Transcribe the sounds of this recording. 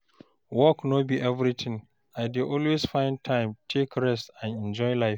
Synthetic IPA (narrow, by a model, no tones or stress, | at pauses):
wɔknobiʔɛvɾitʰɪ̃ŋ | aɪdiʔɔlwesfãɪ̃n̚tʰãɪ̃mtʰekɹɛstãnɛ̃nd͡ʒɔɪlaɪf